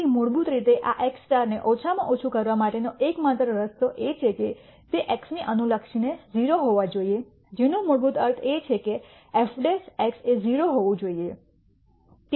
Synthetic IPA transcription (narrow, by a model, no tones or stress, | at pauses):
imʊɾbut̪ɾit̪eʔaʔeksʈaɾneʔot͡ʃʰamã̰ʔot͡ʃʰukəɾʋamaʈenoʔekmat̪ɾəɾəst̪oʔet͡ʃʰeke | t̪eʔeksniʔənuləkʃined͡ʒiɾoɦoʋad͡ʒoie | d͡ʒenũmʊɾbut̪əɾt̪ʰet͡ʃʰeke | ɛfɖesɛkseziɾoɦoʋũd͡ʒoie | t̪